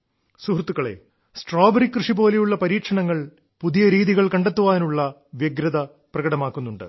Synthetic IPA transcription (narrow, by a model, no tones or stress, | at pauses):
suɦrt̪ːukːɐɭe̞̰ː | sʈroːbɐɾikːrɨʂipo̞ːle̞juɭːɐpɐɾiːkʂɐɳɐŋːɐɭ | puðijɐɾiːðiɣɐɭkɐɳɖet̪ːuʋaːnuɭːɐʋjeɡɾɐðɐ | prɐɣɐɽɐmaːkːunːuɳɖɨ̰